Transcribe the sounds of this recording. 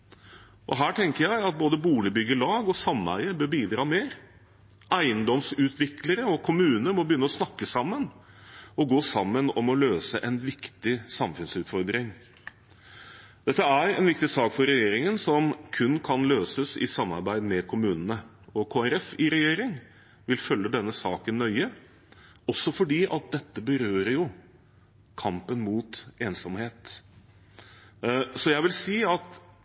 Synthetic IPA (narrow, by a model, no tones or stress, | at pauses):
ʔɔɦæːʈʰɛŋkəɾjæɪɑt̪̚boːd̪əbuːlɪbʏɡːəɭɑːɡɔsɑmːæ̰ɪəbøːbiːd̪ɾɑːmeːɾ | æɪənd̪ɔmsʉːt̪ʰʋɪkləɾəɔkʰʊmʉːnəmɔbəjʏnːəɔsnɑkːəsɑmːən | ɔɡoːsɑmːənɔmɔløːsəʔɛnʋɪkt̪ɪsɑmfʉnsʉːt̪fɔɾd̪ɾɪŋ | d̪̥ɛt̪ːəæɾɛ̰nʋɪk̚t̪ɪsɑːkfɔɾɛjeːɾɪŋənsɔmkʰʉnːkʰɑnløːsəsɪ̰sɑmːɑ̰ɾbæɪd̪mɛkʰʊmʉːnənəɔkʰoːæɾɛfɪɾɛjeːɾɪŋ | ʋɪlfœlːəd̪ɛnːəsɑːkənːœʏə | ɔsːɔfɔɖiːʔɑt̪̚d̪ɛt̪ːəbəɾøːɾəɾjʊ | kʰɑmpənmuːt̪eːnsɔmheːt̪ | sɔjæɪʋɪlsiːɑt̪